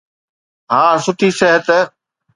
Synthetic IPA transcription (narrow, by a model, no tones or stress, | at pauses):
ɦãːsʊʈʰiːsɛɦət̪